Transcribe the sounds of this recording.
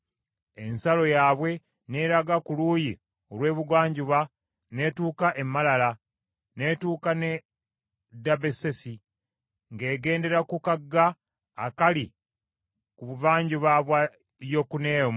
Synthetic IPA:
e̞nsalo̞jaːβwe̞ | ne̞ɾaɡakuluːji | olwe̞ːβuɡwaːɲɟuβa | ne̞tuːkaʔemːalala | ne̞ːtuːkane | dabesesi | ŋɡe̞ːɡe̞ːnde̞ɾakukaɡːaː | kali | kuβuvaːɲɟuβaβwa | jo̞kune̞ːm

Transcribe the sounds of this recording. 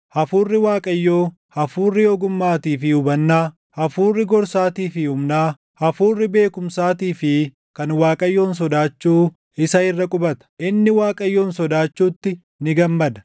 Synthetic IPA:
hɐfuːrːɪwaːkʼɐjːoː | hɐfuːrːɪjoːɡʊmːaːt̪iːfɪʊbɐnːaː | hɐfuːrːɪɡɔɾsaːt̪iːfɪʊmnaː | hɐfuːrːɪbe̞ːkʊmsaːt̪iːfɪ | kɐnwaːkʼɐjːo̞ːns̬ɔd̪aːt͡ʃːuː | ɪsɐɪrːɐkʼʊbɐt̪ɐ̥ʔɪnːɪwaːkʼɐjːo̞ːnsɔd̪aːt͡ʃːuːt̪ːɪ | nɪɡɐmːɐd̪ɐ̥

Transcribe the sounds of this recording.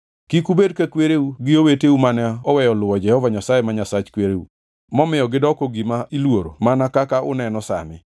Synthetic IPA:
kikubedkakweɾeuɡɪoweteumanɛɔwɛjɔlʊɔd͡ʒɛhɔvaɲasajemaɲasat͡ʃkweɾeṵ | mɔmɪjɔɡɪdɔkɔɡimailwoɾo̰manakakaʔʊ̰nɛnɔsa̰mɪ

